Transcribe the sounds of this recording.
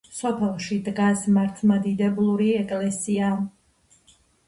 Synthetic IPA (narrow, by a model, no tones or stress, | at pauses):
sɔpʰɛlˠʃid̪ɡasmaɾt̪ʰmad̪id̪ɛblˠuɾiɛkʼlɛsia